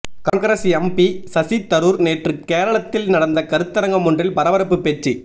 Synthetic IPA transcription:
kɐŋkɐɾɐsiɛmpisɐsit̪ːɐɾuɾneːʈrɯkːeːɾɐɭɐt̪ːɪlnɐɽɐnd̪ɐkɐɾɯt̪ːɐɾɐŋɡɐmʊndrɪlpɐɾɐʋɐɾɐpːɯpːet͡ʃt͡ʃːi

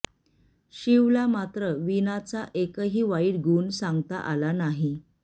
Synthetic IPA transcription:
ɕiʋlamat̪ɾəʋinat͡saʔekəɦiːʋaiːɽɡʱuːnsaŋɡt̪a̰ʔalanaɦi

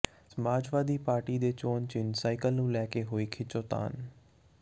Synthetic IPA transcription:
səmaːd͡ʒʋaːd̪iːpaːɾʈiːd̪eːt͡ʃoːnt͡ʃɪnsaːɪkəlnũːlɛːkeːɦoːiːkʰɪt͡ʃoːt̪a̰ːn

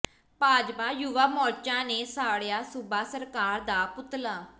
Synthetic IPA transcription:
paːd͡ʒpaːjuʋaːmɔːt͡ʃãːneːsaːɽjaːsʊbaːsəɾkaːɾd̪aːpʊt̪laː

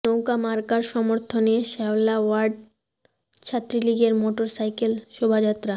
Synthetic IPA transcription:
nowkamaɾkaɾʃɔmoɾt̪ʰoneʃɛwlawaɾɖ̚ | t͡ɕʰat̪ːɾiliɡeɾmoʈoɾsajkelʃobʱad͡ʑat̪ɾa

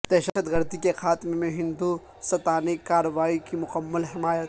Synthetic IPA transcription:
d̪̥ɛːʃəət̪ɣɐɾd̪ikexaːt̪ɪmemẽɦɪ̃nd̪u | sɐt̪aːnikaːɾəʋaːikimʊqəmːəlɦɪmaːjət̪

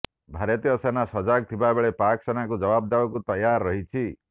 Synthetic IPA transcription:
bʱaɾɔt̪iɔsenasɔd͡ʒaɡ̚t̪ʰibabeɭepaksenakud͡ʒɔbab̚d̪abɔkut̪ɔjaɾːɔɦit͡ʃʰi

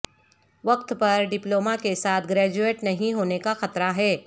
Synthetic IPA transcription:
ʋɐq̚t̪pɐɾɖɪploːmakesaːt̪ʰɡɾɛːd͡ʒueːʈnɐɦĩɦoːnekaxɐt̪ɾaɦɛː

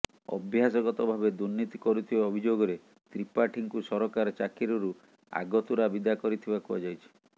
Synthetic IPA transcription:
ɔ̰bʱjasɔɡɔt̪ɔbʱabed̪uɾnit̪ikɔɾut̪ʰibaɔbʱid͡ʒoɡɔɾe | t̪ɾipaʈʰiŋkusɔɾɔkaɾɔt͡ʃakiɾɔɾu | a̰ɡɔt̪uɾabid̪akɔɾit̪ʰibakuad͡ʒajt͡ʃʰi̥

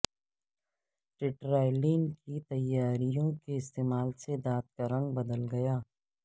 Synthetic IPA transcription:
ʈɪʈɾaːɪliːŋkit̪ɐjːaːɾijõkeɪst̪eːmaːlsed̪aːt̪̚kəɾəɳbɐd̪əlɡɐjaː

